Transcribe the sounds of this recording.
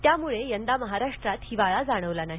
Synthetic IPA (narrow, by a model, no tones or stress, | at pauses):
t̪jamuɭejənd̪aməɦaɾaʂʈɾat̪hiʋaɭad͡zaɽ̃əʋlanaɦi